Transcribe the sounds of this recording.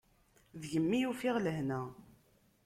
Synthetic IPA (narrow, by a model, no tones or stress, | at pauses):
ðʝəmːijufɪʁləɦnæ